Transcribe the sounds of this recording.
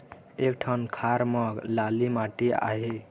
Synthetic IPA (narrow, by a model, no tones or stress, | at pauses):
ek̚ʈʰankʰaɾmʌɡlalimaʈia̰ɦe